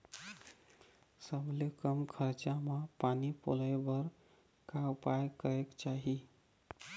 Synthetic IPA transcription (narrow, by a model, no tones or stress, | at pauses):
səblekəmkʰəɾt͡ʃamapanipo̰lebəɾ | kaupajkəɾekt͡ʃaɦi